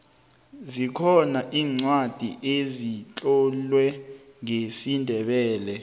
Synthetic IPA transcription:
zikʰɔnaʔiːŋ͡ǀwad̥ʱḭʔezit͡ɬʼɔlwɛŋesindʱɛɓɛːlɛ

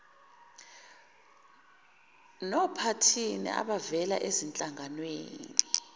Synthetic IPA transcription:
nɔpʰatʰinḭʔa̰ɓavɛla̰ʔezint͡ɬʼaŋɡʱanwḛːni

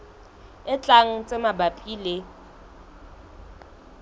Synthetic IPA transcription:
ɪt͡ɬʼaŋ̩t͡sʼemabapʼiːle

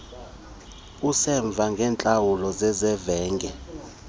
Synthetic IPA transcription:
usɛɱb̪vʱaŋɡʱɛːnt͡ɬʼawulɔzɛzɛvɛːŋɡɛ

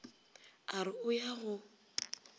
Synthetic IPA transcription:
aɾɪʊjaɣʊ

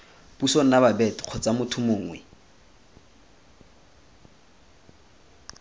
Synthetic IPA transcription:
b̥uson̩nababɛti̥q͡χʰɔt͡sʼamʊtʰʊmʊːŋwɛ

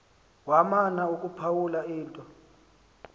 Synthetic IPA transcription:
wamanaukʼupʰawulaiːntʼɔ

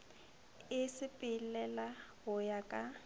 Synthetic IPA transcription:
ɪsɪpʼɪlɛlaɦʊjakʼa

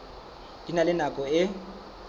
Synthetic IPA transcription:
d̥inalɪnakʼɔɪ

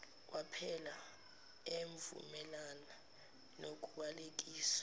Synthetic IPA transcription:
wʔapʰɛla | eɱvṵmɛlana | nok̬ʼuɓalek̬ʼiːsḁ

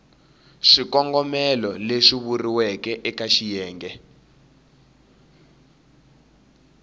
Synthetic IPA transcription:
ʂikɔŋɡɔmɛlɔleʂiβuriwɛkɛʔɛkaʃijɛːŋɡɛ

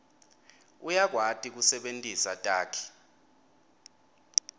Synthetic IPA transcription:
ujak̬ʼwatʼik̬usɛɓentʼisatʼaːkʰi̥

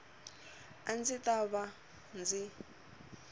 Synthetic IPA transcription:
and͡zitaβa | nd͡zi

